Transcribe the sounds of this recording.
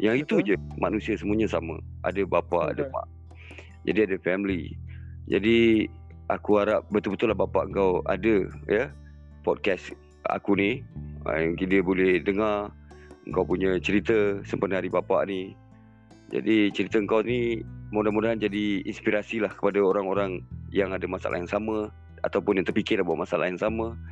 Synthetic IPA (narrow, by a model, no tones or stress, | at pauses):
jaŋit̪ud͡ʒəmanusiasəmuaɲasamə̰̃ʔa̰dəbapaʔa̰dəma̰ʔ | d͡ʒa̰diadəfɛmlid͡ʒa̰di | ʔa̰kuaɾap̚bət̪ʊlbət̪ʊlahbapaʔəŋkawa̰dəjə | pɔt̚kɛs | a̰kuniə̰ŋkidəbolɛhdəŋarə̰ŋkawpuɲə̃t͡ʃəɾit̪əsəmpərnaɾibapa̰ʔni | d͡ʒa̰dit͡ʃəɾit̪əəŋkawnimudahmudaɦand͡ʒadiinspiɾasilahkə̥padaoɾaŋoɾaŋjaŋadəmasa̰la̰jŋsamə | a̰t̪awpʊnjaŋt̪ərpikɪrlahbuwaʔmasalʔa̰jaŋsamə